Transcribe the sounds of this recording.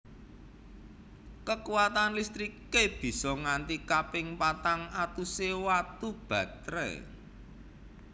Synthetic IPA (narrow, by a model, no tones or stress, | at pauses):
kəkuwat̪anlist̪ɾikeb̥i̤sɔŋant̪ikapɪŋpat̪aŋat̪usewat̪ub̥ä̤t̪ɾɛ̰